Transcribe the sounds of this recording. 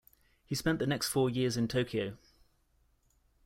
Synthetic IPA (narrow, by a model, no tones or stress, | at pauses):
hispɛ̃nʔðənɛkstfɔːjɪəzɪ̃ntʰəʊkʰiəʊ